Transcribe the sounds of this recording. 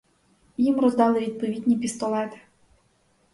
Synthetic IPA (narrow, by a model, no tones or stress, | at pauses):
jimrɔzd̪ɑlˠɪʋʲid̪̚pɔʋʲid̪ʲnʲipʲist̪ɔlˠɛt̪ɪ̥